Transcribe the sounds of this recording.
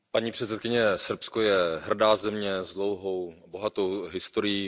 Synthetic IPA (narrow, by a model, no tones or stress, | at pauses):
paɲiːpr̝̥ɛt̪sɛt̪kɪɲɛsr̩pskojɛɦr̩daːzɛmɲɛzdlowɦo̞wbo̞ɦat̪owɦɪst̪oɾɪji